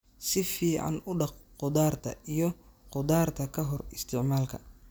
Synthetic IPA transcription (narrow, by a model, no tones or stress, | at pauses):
sɪfiːʕa̰nʊɖɑqqʊd̪aːrt̪ʰɐ̰ijɞqʊd̪aːrt̪ʰɐkʰɐɦɔrɪst̪ʰɪʕmaːlkʰɐ